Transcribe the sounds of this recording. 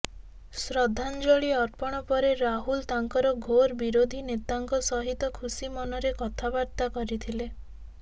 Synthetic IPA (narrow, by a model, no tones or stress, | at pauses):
sɾɔd̪ʱand͡ʒoɭiɔɾpɔɽ̃ɔpɔɾeɾaɦult̪aŋkɔɾɔɡʱoɾbiɾod̪ʱinet̪aŋkɔsɔɦit̪ɔkʰusimɔnɔɾekɔt̪ʰabaɾt̪akɔɾit̪ʰile